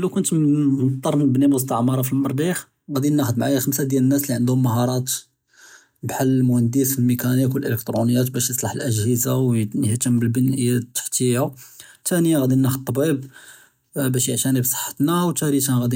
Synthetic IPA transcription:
ʔlːækʊnt̪mt̪ˤːɑɾˤmənbnibəs̬t̪ɑʕmɑɾˤɑfilmɑɾˤd̪ix | ɣæd̪inːæxəd̪̚mʕajaxəmsad̪jælənːæsliʕənd̪hʊmːəɦɑɾˤɑt̪ | bħalːmʊhənd̪əsəlmikænikwəlʔələk̚t̪ɾˤunəjːæt̪bæʃjəsˤlɑħəlʔəʒhəzawəht̪əmbəlbənʔəjæt̪ːə̥ħt̪iut̪ænəjaɣæd̪inːæxəd̪̚t̪ˤːɑbib | bæʃjəʕʃænibsˤə̥ħːə̥t̪nawt̪æɾit̪æɣæd̪i

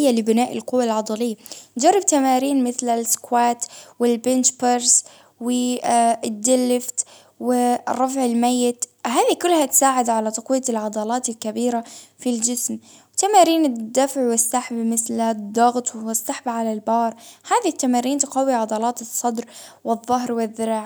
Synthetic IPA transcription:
jːalɪbɪnaːʔɪlqʊwːalʕɑd̪ˤɑlɪjːad͡ʒɑrˤːɪb̚t̪amaːɾiːnmɪθlalɪskwaːt̪wɪlbɪnt͡ʃpaɾs | wɪ | d̪ːɪlːɪft̪ | wɪrˤːɑfʕɪlmajːɪt̪ɦaːðikʊlːhat̪saːʕɪd̪ʕalat̪ɑqwɪjːalʕɑd̪ˤɑlɑːt̪ɪlkabiːɾafild͡ʒɪsm | wt̪amaːɾiːnɪd̪ːafʕwɪsːaħbmɪθlad̪ˤːɑɣt̪ˤwwɪsːaħbaʕalalbɑːɾˤhaːðit̪ːamaːɾiːnt̪qɑwiʕɑd̪ˤɑlɑːt̪ɨsˤːɑd̪ɾwɪðˤːɑɦɾwɪðːɪɾaʕ

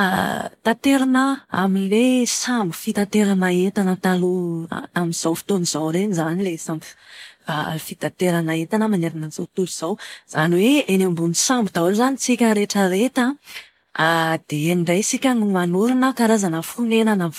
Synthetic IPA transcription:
a̰t̪at̪eɾanəa̰minlesambu̥fit̪at̪eɾanaet̪anət̪aluamiz̥awfi̥t̪onizawɾenizanilesamba̰fit̪at̪eɾanaet̪anəmaneɾanəzot̪uliz̥awz̥aniweenambunisambud̪aaɾuzanit͡sikʲəɾeʈ͡ʂəɾet̪a | ad̪̥eɳɖ͡ʐajsikʲanimanuɾinəkaɾazanəfunenana

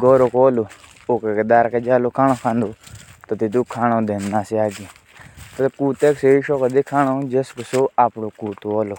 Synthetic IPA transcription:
ɡoːɾokoːloː | okeked̪aːɾked͡ʒaːlokʰaːñoːkʰãːnd̪oːt̪ɐt̪it̪̬uːkʰaːɽ̃õːd̪eːnːaːsiaːɡi | t̪ɐkuːt̪eːkseiʃoːkəd̪ikʰaːɽoːd͡ʒeskosoːaːpɽokuːt̪ooːloː

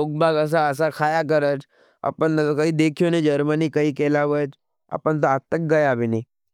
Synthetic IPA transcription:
ok̚baɡəs̬aəs̬akʰaːjak̬əɾət͡ʃ | ə̰pəɳɐkəid̪eːkʰijonəĩd͡ʒɐɾmənikəikeːlaʋət͡ʃ | ə̰pəɳt̪əat̪ək̚ɡɐjabinɐĩ

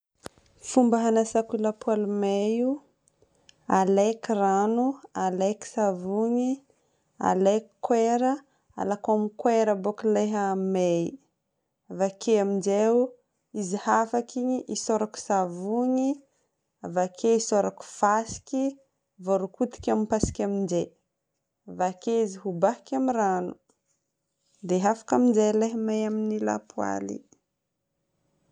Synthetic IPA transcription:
fumbəɦanasakiləpʰwalmeju | alekiranualeki̥savuɲi | a̰lekkːweɾə | a̰lakamikweɾəbokileɦame | avakeamind͡ʒew | izihafakiɲiʔisoɾaku̥savuɲi | avakʰeisoɾaku̥fasi̥ki | voɾukut̪i̥kʲamipasi̥kʲamind͡ʒe | avakeiziɦubahikʲamiranu | d̪eɦafḁkamind͡ʒeleɦəmejaminila̰pua̰lḭ

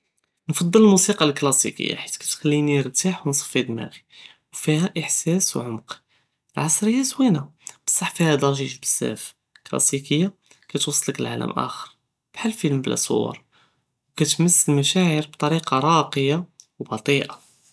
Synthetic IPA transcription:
nfɑd̪ˤːələlmusiqɑlklɑsḭkə̰jːa̰ħi̥t̪kæ̥t̪xælːiniəɾt̪aħwnsˤɑ̥fid̪mæ̰ɣi | wfihæʔəħsæswʕʊmq | lʕɑsˤɾəjːæswinæb̥ə̥sˤːɑħfihæd̪ɑɾˤʒiʃbə̥sːæ̰f | klɑ̰sikəjːa | kæt̪wɑsˤːləkəlʕa̰lə̰mʔæ̰xəɾ | b̥ħalːfiləmblæ̰sˤo̰wːɑ̰ɾˤ | wkæt̪məsːəlmæʃæʕəɾbt̪ˤɑɾiqɑɾˤɑqəjawbɑt̪ˤiʔɑ

